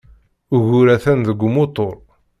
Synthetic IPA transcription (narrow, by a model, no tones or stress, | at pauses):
ʊɣuɾæθænðəɡʷːmot̪ˤoɾˤ